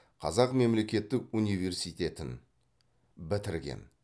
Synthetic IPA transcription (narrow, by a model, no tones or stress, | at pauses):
qʰɑ̰zɑqme̞mle̞kʲe̞t̪ːɪkunijve̞rsijt̪ʲe̞t̪ɪn | bɪt̪ɪɾɡʲe̞̰n